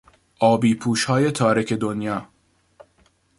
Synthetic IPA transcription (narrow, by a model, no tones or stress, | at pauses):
ʔɒːbiːpʰuːʃhɒːjet̪ʰɒːɾecʰe̞d̪onjɒː